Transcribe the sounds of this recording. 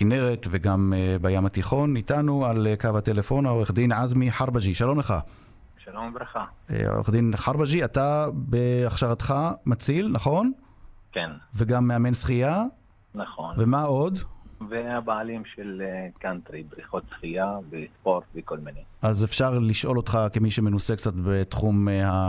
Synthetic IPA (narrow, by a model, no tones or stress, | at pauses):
kine̞ʁet̪veɡambajamat̪iχo̞nitanualekavhat̪elefo̞naoʁeχd̪inʕazmiħaʁbaʒiʃalo̞mleχa | ʃalombɾeχa̰o̰χd̪inħaʁbaʒiatabeaχʃaʁat̪χamat͡silnaχo̞n | kenveɡamːeame̞nsχija | naχonve̞mao̞dveabaːlimʃelkant̪ɾibɾiχot̪sχijavespoɾt̪vekolmineʔazefʃaʁliʃʔo̞lo̞t̪χakemiʃemenusekt͡sat̪bet̪χumha